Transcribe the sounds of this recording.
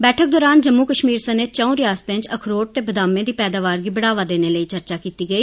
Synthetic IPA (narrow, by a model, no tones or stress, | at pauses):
bɛːʈʰək̚d̪ɔːɾaːnd͡ʒəmːuːkəʃmiːɾsəneːt̪̚t͡ʃə̃ũːɾɪjaːst̪eɪ̃ɲt͡ʃəkʰɾoːʈ̚t̪eːbəd̪aːmẽːd̪iːpɛːd̪aːʋaːɾɡiːbəɽaːʋaːd̪eːneːləiːt͡ʃəɾt͡ʃaːkiːt̪iːɡəiː